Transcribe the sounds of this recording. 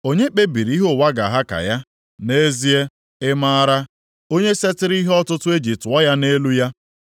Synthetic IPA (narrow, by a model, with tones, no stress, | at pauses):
o˦ɲe˦k͡pe˦bi˨ɾi˨˦ɦo˦˨wa˦ɡa˨ɦa˦ka̰˨ja˦ | ne˦zi˦e˦ | ɪ˦ma˦a˦ɾa˦ | o˦ɲe˦se˦tɪ˦ɾi˦ɦɔ˦tʊ˦tʊ˦e˦d͡ʒi˨tʊ˨ɔ˦ja˦ne˦lu˦ja˦